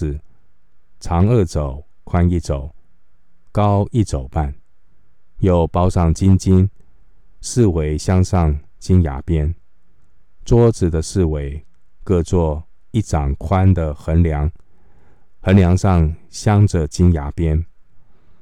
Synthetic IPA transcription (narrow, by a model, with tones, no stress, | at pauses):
t͡sʰɑ˧˥ŋə˥˩t͡so˨˩ʊ | kʰwa˦ni˥˩t͡so˨˩˦ʊ | kɑ˦ʊi˥˩t͡so˨˩ʊpa˥˨n | jo˨˩ʊpɑ˥ʊʂɑ˥˩ŋt͡ɕi˦nt͡ɕi˥n | ʂɻ̩˥˨we˧˦ɪɕjɑ˥ŋʂɑ˥˨ŋ | t͡ɕi˦nja̰˧˥pjɛ˥˦n | t͡swɔ˥t͡sɹ̩˨˩d̪ə˩˦ʂɻ̩˥˩we˧˦ɪ | kɤ˥˧t͡swɔ˥˧ | i˥˩ʈ͡ʂɑ˨˩ŋkʰwa˦nd̪ə˨xə˧˥nljɑ˧˦ŋ | xə˧˦˥nljɑ˧˥ŋʂɑ˥˩ŋɕjɑ˥ŋʈ͡ʂə˨t͡ɕi˥nja˧˥pjɛ˥˦n